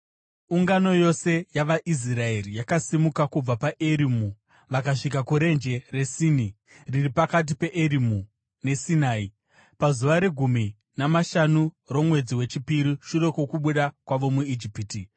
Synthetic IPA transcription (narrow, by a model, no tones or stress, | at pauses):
uŋɡano̞jo̞se̞jaʋaʔis̬rae̞rijakasimukakub͡vapaʔeɾimu | ʋakaʂikakuɾe̞nd͡ʒe̞re̞sini | riripakat̬ipe̞ʔeɾimu | ne̞sinaːi | pazuʋaɾe̞ɡʱumi | namaʃanu | ro̞mwe̞d͡ziwe̞t͡ʃipiɾiʃure̞ko̞kuɓuɗakwaʋo̞muid͡ʒipiti